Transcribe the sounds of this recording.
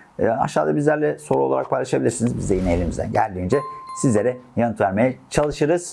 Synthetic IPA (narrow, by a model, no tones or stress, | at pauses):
a̰ʃːaːd̪ˠabizlʲæɾlʲɛso̞ɾuo̞lˠa̰ɾa̰k̚pʰajlˠaʃabilʲiɾsinizbizd̪ɛjineelʲimizd̪æ̰nɟæ̰lʲd̪iːnd͡ʒɛsizlʲe̞ɾɛjanɯt̪væɾme̞jɛt͡ʃʰalˠɯʃɯɾɯz̥